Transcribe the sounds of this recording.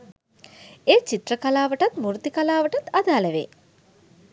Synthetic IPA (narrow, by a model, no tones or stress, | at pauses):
eːt͡ʃit̪rəkalaːʋəʈat̪muɾt̪ikalaːʋəʈat̪ad̪aːləʋḛː